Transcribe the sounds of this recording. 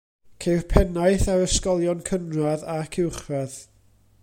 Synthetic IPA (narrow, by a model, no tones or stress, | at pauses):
kʰejrpʰɛnajθaɾəskɔlˠjɔnkʰənraðakʰɪwχrɛð